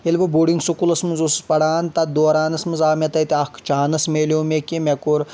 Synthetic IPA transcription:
elʲbɐbuːɽiŋɡsukulɐsmɨnzusspɐɽaːnt̪ɐd̪oːɾaːnɐsmɨnzaːmet̪ɐjt̪iɐkt͡ʃaːnɐsmeːlʲoːmekimekuɾ

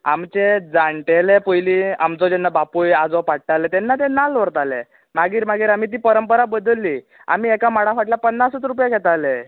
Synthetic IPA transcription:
a̰mt͡ɕed͡zaɳʈelepəjlia̰mt͡sɔd͡ʑɛnːabapujad͡zɔpaʈʈalɛt̪ɛnːat̪̬ɛ̃nalʋəɾt̪alɛ̰ | maɡiːɾmaɡiːɾam̤iːt̪̬iːpəɾəmpəɾabəd̪əlːi | a̰miːɛkamaɽafaʈlapənːasət̪ɾupjaɡʱɛt̪alɛ

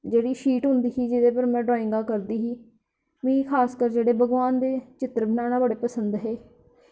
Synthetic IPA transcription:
d͡ʒeːɽiːʃiːʈɦʊnd̪iːɦiːd͡ʒɪd̪eːpəɾmɛ̃ːɖɾaːɪ̃ŋɡaːkəɾd̪iːɦiː | mĩːkʰaːskəɾd͡ʒeːɽeːbʱəɡʋaːnd̪eːt͡ʃɪt̪ɾəbɪnaːnaːbəɽeːpəsənd̪ɦɛː

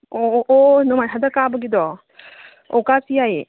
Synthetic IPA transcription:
oʔːnɔmajɦadɐkabɐɡidɔ | ɔ̰kasijaje

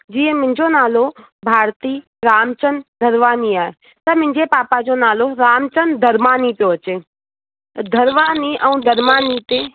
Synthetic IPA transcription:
d͡ʒiːẽmɪ̃nd͡ʒonaːlo | bʱaːɾt̪iː | ɾaːmt͡ʃənd̪ʱəɾʋaːniaːe | t̪ɐmɪ̃ɲd͡ʒepaːpad͡ʒonaːloɾaːmt͡ʃənd̪ʱəɾmaːnit̪oɦət͡ʃe | d̪ʱəɾʋaːniʔəũd̪ʱəɾmaːnit̪eː

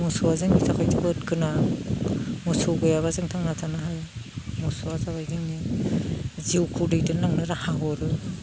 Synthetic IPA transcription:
mɔsɔwazɯŋnizakʰajtibɯt̚kɯna | mɔsɔɡojaβazɯŋtʰaŋnatʰanaɦajmɔsɔazabajzɯŋni | ziwkʰudejdɯnaŋnɯɾahaɡɔɾɯ

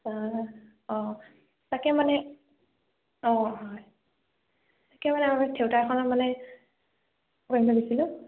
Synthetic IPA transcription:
sa | ɔ̃ | takɛmanɛ | ɔ̃ɦɔj | takɛmanɛamitʰewtaɛxɔnamanɛ | kɔĩtabisilʊ̃

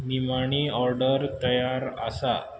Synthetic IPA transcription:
nimaɳ̃iɔɾɖəɾt̪əjaɾə̰sa

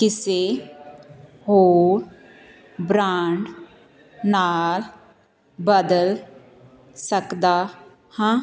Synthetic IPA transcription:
kɪseː | ɦoːɾ | bɾaːɳɖ | naːl | bəd̪əl | səkd̪aː | hãː

